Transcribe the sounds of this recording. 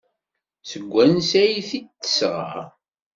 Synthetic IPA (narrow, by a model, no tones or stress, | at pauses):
səɡʷːænsæjiθit̪ːə̥sʁa̰